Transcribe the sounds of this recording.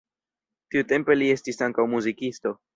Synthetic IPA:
t̪iute̞mpe̞lie̞stisaŋkawmuzikist̪o̞

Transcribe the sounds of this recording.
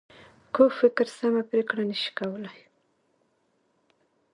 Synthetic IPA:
kofɪkɾsamapɾekɽanəʃi̥kawəlaj

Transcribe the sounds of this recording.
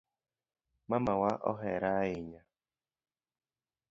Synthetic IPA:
mamawaʔɔ̰ɦɛɾaɪɲa

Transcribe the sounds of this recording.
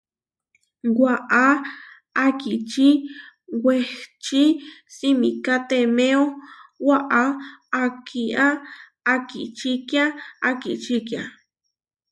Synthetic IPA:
waʔa | akit͡ʃiweht͡ʃisimikat̪emeowaʔaː | kʰiʔaː | kḭt͡ʃikjaakit͡ʃikja̰

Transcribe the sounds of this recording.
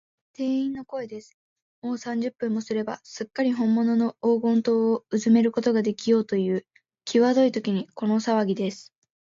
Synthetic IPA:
t̪e̞ːĩnːo̞ko̞e̞d̪e̞sɨ̥ | mo̞ːsãɲ̟d͡ʑɨpːɯ̟̃mːo̞sɨɾe̞ba̰sɨkːaɾʲiɦõ̞mːo̞no̞no̞oːɡõ̞nt̪o̞ːoɯzɨme̞ɾɯ̟ko̞t̪o̞ɡad̪e̞kʲijo̞ːt̪o̞jɯ̟ː | kʲʰiβad̪o̞it̪o̞kʲiɲ̟iko̞no̞saβaɡʲid̪e̞sɨ̥

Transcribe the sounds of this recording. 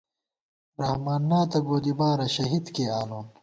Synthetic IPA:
ɾɐhmaːnːaːt̪ɐɡoːd̪ibaːɾɐɕɐɦid̪keːaːloː

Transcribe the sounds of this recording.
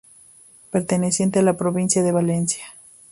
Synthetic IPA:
peɾt̪enesje̞nt̪ealapɾoβinsjaðe̞βalensja

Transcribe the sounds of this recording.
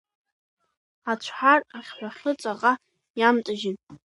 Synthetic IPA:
at͡ɕʷʰħaraχʲħʷᶣaχʲət͡sʷʼaʁa | jamtʼaʒɪn

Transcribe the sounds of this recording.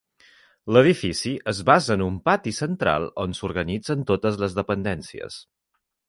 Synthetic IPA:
ləð̞ifisiʔəzβazəːnumpat̪isənt̪ɾa̰lˠonsuɾɣənid͡zənt̪ot̪əzləzðəpənd̪ɛnsiə̰s

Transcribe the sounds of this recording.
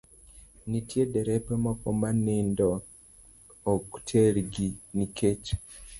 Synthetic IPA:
nitjedɛɾɛpɛmɔkɔmanɪndɔ | ktʰeɾɡinikʰet͡ʃ

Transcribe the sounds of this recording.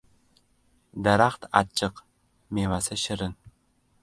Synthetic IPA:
dɐɾaχt̪ʰa̰t͡ʃʼːɨq | meːmasɐʃɪɾɨn

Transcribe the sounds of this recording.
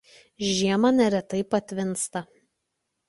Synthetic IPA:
ʒʲiɛmɐnʲɛɾʲɛt̪ɐɪpɐt̪ʲʋʲɪnst̪ɐ

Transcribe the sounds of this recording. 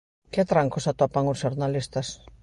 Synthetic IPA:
kɪt̪ɾaŋkʊsat̪opaŋʊsʃoɾnalist̪as

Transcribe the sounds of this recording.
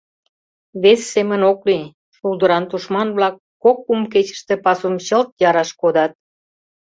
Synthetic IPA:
βesːemənokli | ʃuld̪əɾɑnt̪uʃmɑnβlɑkːokːumket͡ɕə̥ʃt̪ĕpɑsumt͡ɕəlt̪̚jɑɾɑʃkod̪ɑt̪̚

